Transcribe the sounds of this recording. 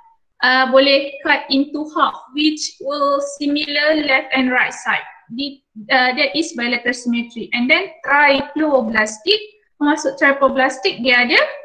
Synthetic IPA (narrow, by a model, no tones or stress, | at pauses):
ʔəbolɛhkat̪̚ĩnt̪uhafwit͡ʃwilsimiləlɛft̪ɛ̃nɹajt̚sajt̚di | ədɛtisbajlɛt̪əsimət̪ɾiʔɛ̃ndɛ̃nt̪ɾajploblast̪ik̚ | pəmasʊk̚t̪ɾajploblast̪ik̚diadə